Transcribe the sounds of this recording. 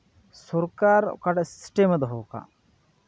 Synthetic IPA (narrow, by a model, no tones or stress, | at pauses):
sɔɾkaɾ̰kaʈssʈeməd̪ɦoːka̰